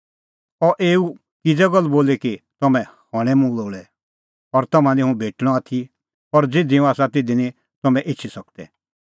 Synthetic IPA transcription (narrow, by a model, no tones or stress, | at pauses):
ɔʔeːu | kɪd͡zɛɡɔlːboːlekit̪ɐmɛ̃hɔɽ̃ɛmũloːɭɛ | ɔɾt̪ɐmãnĩɦũbʱeːʈɽ̃ɔaːt̪ʰi | ɔɾd͡zeːd̪iũaːsat̪ɪd̪inĩ | t̪ɐmɛ̃ʔɪtːt͡ʃʰisɐk̚d̪ɛ̰